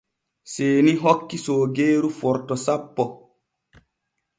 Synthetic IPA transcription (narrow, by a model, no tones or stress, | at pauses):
seːniɦɔkːisoːɡeːɾufɔɾtɔsapːɔ